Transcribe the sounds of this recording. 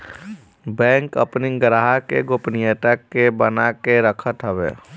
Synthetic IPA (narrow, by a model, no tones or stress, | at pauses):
bɛ̃ːŋkəpniɡɾaɦakeɡopnijət̪akebənakeɾəkʰət̪ɦɛbḛː